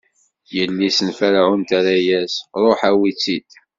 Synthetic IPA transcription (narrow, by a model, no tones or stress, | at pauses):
jəlːisənfæɾaʕunt̪aɾajæsɾˤoħæwit͡sːid̪